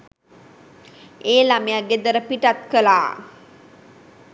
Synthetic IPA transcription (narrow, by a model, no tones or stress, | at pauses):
eːlamejaɡed̪əɾəpiʈat̪kəlaː